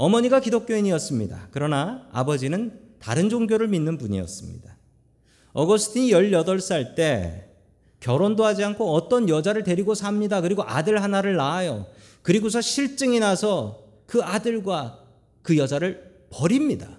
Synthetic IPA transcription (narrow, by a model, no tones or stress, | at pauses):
ʌmʌɲiɡakidok̚k͈joiɲiʌs͈ɯmɲida̰kɯɾʌnaa̰bʌd͡ʑinɯn | ta̰ɾɯnd͡ʑoŋɡjoɾɯɭminːɯnpuɲḭʌ̰s͈ɯmɲḭda | ʌɡʌsʰɯ̥tʰiɲijʌʎːʌdʌɭs͈aɭt͈e̞ | kjʌɾondoɦad͡ʑiankʰoʌt͈ʌnjʌd͡ʑaɾɯɭte̞ɾiɡosʰamɲidakɯɾiɡoʔadɯɭɦanaɾɯɭnaːjo̰ | kɯɾiɡosʰʌɕʰiɭt͡ɕ͈ɯŋinasʰʌ | kɯadɯɭɡwa | kɯjʌd͡ʑaɾɯɭ | pʌɾimɲida